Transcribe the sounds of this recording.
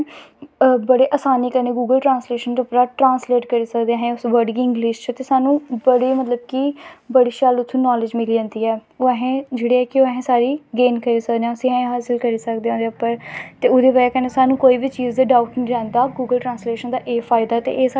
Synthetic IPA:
bəɽeːʔaːsaːniːkəɾneːɡuːɡəlʈɾãːnsleːʃənd̪pɾaːʈɾãːnsleːʈkəɾiːsəkd̪eãːɦẽʊsʋəɾɖɡiɪ̃ŋɡlɪːʃt͡ʃət̪eːsaːnũːbəɽeːmət̪ləb̚kibəɽiːʃaːlʊt̪ʰːũːnɔːlɪd͡ʒmɪliːd͡ʒãːnd̪iːɛːoːɛɦẽːd͡ʒeːɽiːɛːkɪoːɛɦẽːsaːɾiːɡeːnkəɾiːsəkd̪eãːʊsĩːɦɛ̃ːẽɦaːsɪlkəɾiːsəkd̪eːõːd̪eːəpːəɾt̪eːʊd̪eːpaːaːkɛːneːsaːnũːkoːiːbʱiːt͡ʃiːzd̪eːɖaːʊʈnĩːɾɛ̃ːnd̪aːɡuːɡəlʈɾãːnsleːʃənd̪aːʔeːfʰaːɪd̪aːt̪ḛːʔeːs

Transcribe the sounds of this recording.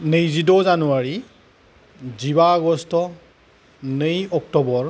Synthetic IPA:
nejzidɔzanuwaɹi | zibaːɡɔstɔ | nejɔk̚tɔbɔɹ

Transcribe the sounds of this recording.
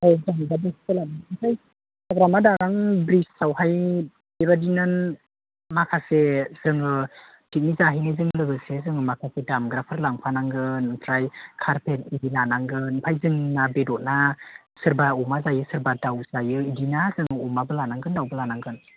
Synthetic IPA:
azaŋbabeskɯlanaasʰaj | aɡɾamadaɡaŋbɾisːawhaj | bebadinɯn | makʰasez̥ɯŋɯ | tʰit̚nizaɦijnɯzɯŋlɯɡɯsezɯŋɯmakʰasedamɡɾapʰɯɾlaŋpʰanaŋɡɯntɾajkʰaɾpʰetidilanaŋɡɯnpʰajzɯŋnabedɔt̚na | sɯɾbaumazajɯsɯɾbadawz̥ajɯidinazɯŋɯumabɯlanaŋɡɯndawbɯlanaŋɡɯn

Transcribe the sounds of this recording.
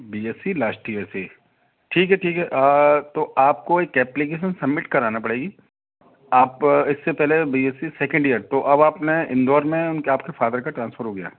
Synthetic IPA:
biːeːsilaːsʈʈieːsi | ʈʰiːkɦɛʈʰiːkɦɛʔt̪oaːp̚koeːkːɛːplɪk̬eːʃənsɐbmɪʈkɐɾaːnapɐɽeːɡiː | aːpɪsːepɛɦlebiːeːsisɛːkə̃ɳɖijəɾt̪oʔɐbaːpneɪ̃nd̪ɔːɾmẽʊnkeaːpkefaːd̪əɾkaʈɾãːnsfʰəɾɦoːɡɐja̰ː

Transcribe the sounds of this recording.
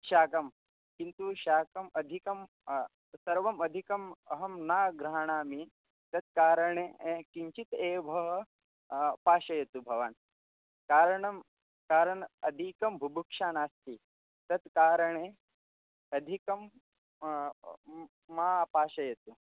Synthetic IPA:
ʃaːkɐm | kint̪uʃaːkɐmɐd̪ʱikɐm | sɐɾʋɐmɐd̪ʱikɐmɐɦɐmnaːɡɾaɦaɳaːmi | t̪ɐt̪̚kaːɾɐɳeekiɲt͡ʃit̪eːbʱɐɦɐ | paːʃɐjɐt̪ubʱɐʋaːn | kaːɾəɳɐm | kaːɾɐɳɐd̪ʱikɐmbʱubʱukʂaːnaːst̪ʰi | t̪ɐt̪kaːɾɐɳe | ɐd̪ʱikɐm | aːpaːʃɐjɐt̪u

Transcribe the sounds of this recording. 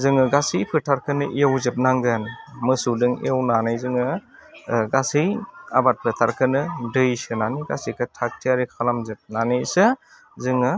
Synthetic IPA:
zɯŋɯɡasijpʰɯtʰaɾkʰɯnɯʔiawzɯp̚naŋɡɯnmɯsudɯŋḭawnanɯjzɯŋɯ | ɡasɯja̰bat̚pʰɯtʰaɾkʰɯnɯdɯjsɯnanijɡasikʰɯtʰak̚tʰiaɾikʰalamzɯp̚nanɯjsɯ | zɯŋɯ

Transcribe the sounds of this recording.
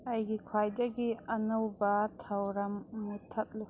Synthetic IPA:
ɐjɡikʰwajdɐɡiɐnɐwbɐtʰawɾɐmːutʰɐt̚lu

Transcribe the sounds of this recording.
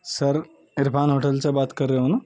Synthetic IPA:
səɾ | iɾpʰanɦoːʈəlt͡səbat̪kəɾːeɦona

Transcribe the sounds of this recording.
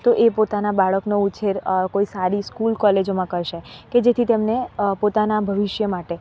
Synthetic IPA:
t̪oʔepot̪anabaɭəknout͡ʃʰeɾkoisaɾiskulkɔled͡ʒomãkəɾʃeked͡ʒet̪ʰit̪emnepot̪anabʱəʋɪʃjəmaʈe

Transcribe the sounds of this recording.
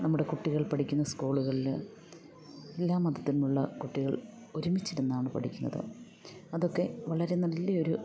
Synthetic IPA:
nɐmːuɽe̞kuʈːiɣɐɭpɐʈʰikʲːunːɐskuːɭuɣɐɭil | elːaːmɐd̪ɐt̪ːinmuɭːɐ̰kuʈːiɣɐɭ | o̞ɾumit͡ɕːiɾunːaːɳɨpɐ̰ʈʰikʲːunːɐ̰ðɨ̰ | ɐðo̞kːe̞ʋɐɭɐɾe̞nɐlːɐo̞ɾu

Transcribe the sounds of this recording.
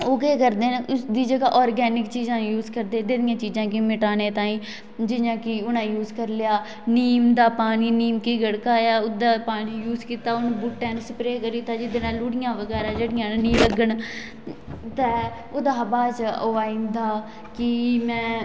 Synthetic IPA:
oːkeːkəɾd̪eːnʊsd̪iːd͡ʒəɡaːʔɔːɾɡɛːnɪkt͡ʃiːzãːjuːzkəɾd̪eːd̪eːd̪ɪjãːt͡ʃiːzãːkɪmɪʈaːneːt̪ãːĩː | d͡ʒɪnãːkɪʊnãːjuːzkəɾlɪjaː | niːmd̪aːpaːniːniːmkiɡəɽkaːjaːʊd̪aːpaːniːjuːzkiːt̪aːʊnbʊʈːɛ̃ːnsəpɾeːkəɾiːt̪aːd͡ʒɪd̪eːnaːlʊɽɪjãːʋəɡɛːɾaːd͡ʒəɽɪjãːnnĩːləɡəɳ | t̪ɛː | ʊd̪aːbaːt͡ʃoːaːĩːnd̪aː | kɪmɛ̃ː

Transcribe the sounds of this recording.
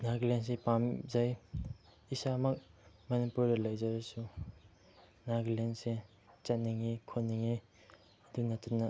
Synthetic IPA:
naɡlens̬epamzaj | isamɐk̚ | mɐnipuɾdɐlajzaɾɐsu | naɡlense | t͡ʃɐtnːiŋikʰonːiŋi | ɐdik̚natunɐ

